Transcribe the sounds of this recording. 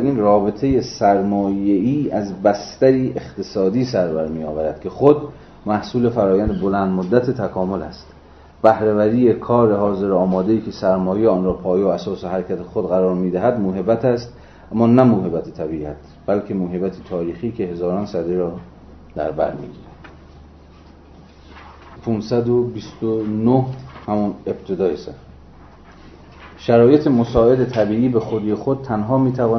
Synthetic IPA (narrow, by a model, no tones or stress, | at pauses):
ɾiːnrɒːbe̞t̪ʰe̞jesæɾmɒːjeiːæzbæst̪æɾiːʔeχt̪ʰesɒːd̪iːsæɾbæɾmiːjɒːvæɾæd̪̥kʲʰe̞xod̪ | mæhsuːle̞fæɾɒːjænd̪ebo̞lænd̪mod̪ːæt̪ʰet̪ʰækʰɒːmo̞læ̰st̪ | b̥æhɾevæɾiːjekʰɒːɾehɒːze̞ɾɒːmɒːd̪e̞iːkʰe̞sæɾmɒːjeɒːnɾɒːpʰɒːjeoæsɒːseɦæɾekʰæt̪ʰexod̪ɣæɾɒːɾmiːd̪æɦæd̪moːɦe̞bæt̪ʰæst̪ | æmːɒːnæmoːɦe̞bæt̪ʰet̪ʰæbiːæt̪ | b̥ælkʰe̞moːɦebæt̪ʰet̪ʰɒːɾiːxiːcʰe̞he̞zɒːɾɒːnsæd̪eɾɒː | d̪̥æ̰ɾbæ̰ɾmḭːɡḭːɾænd̪̥ | pʰunsæd̪obist̪onohhæmune̞b̥̚t̪ʰe̞d̪ɒːjesæ | ʃæɾɒːje̞t̪ʰemosɒːe̞d̪et̪ʰæbiːʔiːbe̞xod̪ijexod̪̥̚t̪ʰænɦɒːmiːt̪ʰævɒː